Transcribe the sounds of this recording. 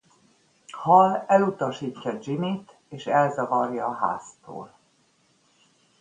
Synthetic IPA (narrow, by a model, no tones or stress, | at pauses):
hɒlɛlut̪ɒʃiːcːɒd͡ʒimit̪ | eːʃɛlzɒvɒrjɒːɦa̰ːst̪o̰ːl